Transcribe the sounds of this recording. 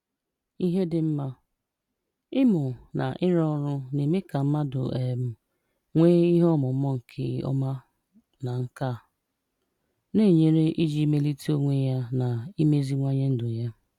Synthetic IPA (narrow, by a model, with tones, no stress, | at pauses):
i˦ɦe˦dɪ˦m̩˦ma˦ | ɪ˦mʊ˨na̰˨ʔɪ˦ɾɔ˦ɾʊ˦ne˨me˦ka˨m̩˦ma˦dʊ̰˨ʔe˨m̩˦ | ŋʷeː˦i˦ɦɔ˦mʊ˨˦mɔ˦ŋ̩˨kʰɪ˦ɔ̰˦ma˦ | na˨ŋ̩˦ka˦˨ | ne˦˨ɲe˦ɾe˦ʔi˦d͡ʒi˦me˦li˦ti˦o˦ŋʷe˦ja˦na˨i˦me˦zi˦ŋʷa˦ɲe˦n̩˦dʊ˨ja˦